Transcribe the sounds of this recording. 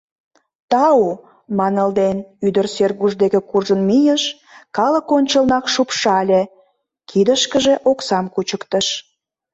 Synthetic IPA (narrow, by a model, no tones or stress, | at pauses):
t̪ɑu | mɑnəld̪enyd̪ərserɣuʒd̪ekĕkurʒənmijəʃ | kɑləkonʲt͡ɕəlnɑkʃupʃɑlʲe | kʰid̪əʃkəʒeʔoksɑmkut͡ɕəkt̪əʃ